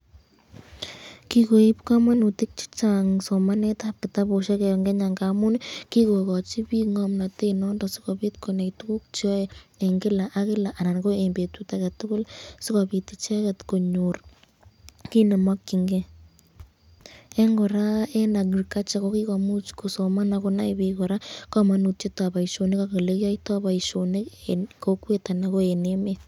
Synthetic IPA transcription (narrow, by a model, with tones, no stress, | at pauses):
ki˦ko˨i˦pka˦ma˦nu˨ti˦k̚t͡ʃi̥˦t͡ʃa˨ŋso˨ma˦nɛ˦tap̚kɪ˨ta˦po˨ʃa˦kɛ˨ɔ˨ŋɡe˦ɲa˨ŋɡa˨mʊ˦nki˦ko˨kɔ˨t͡ʃi˦pi˦ŋɔ˦mna˨te˦nɔ˦ndɔ˨sɪ̥˦kɔ˨pi˦tko˨ne˨ktu˦ku˦k̚t͡ʃɔ˦ee˨ŋɡɪ˦la˨ʔa˦kɪ˦la˨ʔa˨na˨nɡo˦e˨mbe˨tu˦ta˨ka˨tʊ˦kʊ˦lsɪ˦ka˨bi˨tɪ˦t͡ʃa˦ka˨tko˨ɲo˨r | ki˦ne˨mwa˦kːi˨ŋɡe˦ | e˦ŋɡɔ˨ɾa˦e˦na˨ɡi˨rka˦t͡ʃa˦ko˦ki˦kɔ˨mu˦t͡ʃko˨so˨ma˦na˨ko˦na̰˦ibi˧kɔ˨ɾa˦ka˦ma˦nu˨t̚t͡ʃe˦ta˨ba˨i˨ʃo˨ne˦ka˦ke˨le˦kjɔ˦ita˦ba˨i˨ʃo˨ne˦kkokwe˦ta˨na˦ko˦e˨ne˦met